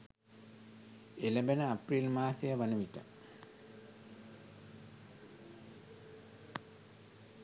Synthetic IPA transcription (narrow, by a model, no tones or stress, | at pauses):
eləbenəaprilmaːsejəʋanəʋiʈə̰